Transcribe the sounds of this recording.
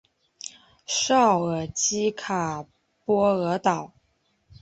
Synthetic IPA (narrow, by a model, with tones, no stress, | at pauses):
ʂɑ˥˩ʊə˨˩t͡ɕi˥kʰa˨˩ | pwɔ˥ɤ˧˥t̪ɑ˨˩˦ʊ